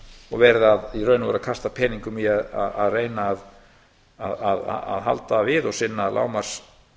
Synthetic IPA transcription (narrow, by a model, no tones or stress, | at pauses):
ɔɣvɛɾðaðirœːɥnʏvɛ̰ɾakʰast̪apʰɛːniŋkʏmiaða̰ðaðreːjnaːð | aðaða̰ðɦa̰lt̪avɪðɔɣsɪnːala̰ːwmaɾ̥s